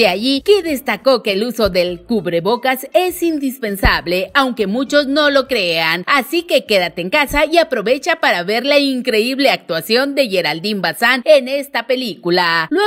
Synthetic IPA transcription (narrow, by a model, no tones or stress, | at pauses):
eaʝike̞ðe̞st̪ako̞ke̞ːluso̞ðe̞lkuβɾe̞βo̞kase̞sind̪ispe̞nsaβle̞awŋke̞mut͡ʃo̞zno̞lo̞kɾe̞anasike̞ke̞ðat̪eːŋkasaiapɾo̞βe̞t͡ʃapaɾaβe̞ɾlaiŋkɾe̞iβle̞ak̚t̪wasjo̞nd̪e̞ʝe̞ɾald̪imbasanene̞st̪ape̞likulalwe